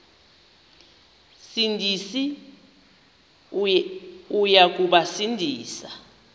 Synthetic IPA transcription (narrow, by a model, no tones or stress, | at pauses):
sindʱisi | ujak̬uɓasindʱiːsa